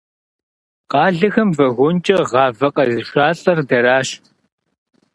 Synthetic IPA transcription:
qɑːɮɨxɐmvɐɣʷʊnt͡ʃʼɐʁɑːvɐqʼɐzɨʃʷaːɬʼɐrdɐɾaːɕ

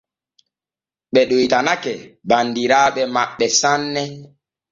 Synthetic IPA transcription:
ɓɛɗojtanakɛbandiɾaːɓɛmaɓːɛsanːɛ

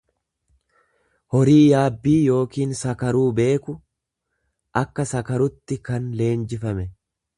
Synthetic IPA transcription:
hɔɾiːjaːbːiːjo̞ːkiːnsɐkɐɾuːbe̞ːkʊ | ʔɐkːɐsɐkɐɾʊt̪ːɪkɐnle̞ːnd͡ʒɪfɐmɛ

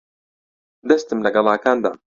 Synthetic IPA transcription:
d̪ɐst̪ɨmlaɡɑlaːkaːnd̪a̰

